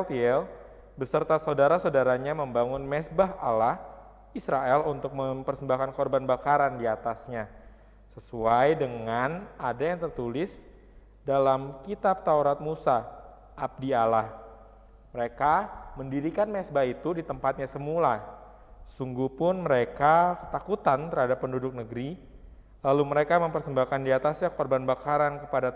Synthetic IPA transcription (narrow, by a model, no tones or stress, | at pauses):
lt̪iɛl | bəsərt̪asaudaɾasawdaɾaɲaməmbaŋʊnmɛsbaɦa̰lah | isɾaɛlunt̪ʊk̚məmpərsəmbahkankɔrbanbakaɾandiat̪asɲa | səsuajdəŋanadajaŋt̪ərt̪ulɪs | dalamkit̪ap̚t̪auɾat̪̚musa | ʔab̚dialah | məɾekaməndiɾikanmɛsbait̪udit̪əmpat̪̚ɲasəmula | suŋɡupʊnməɾekakə̥t̪akut̪ant̪ərhadapːəndudʊk̚nəɡɾi | laluməɾekaməmpərsəmbakandiat̪asɲakɔrbanbakaɾankəpada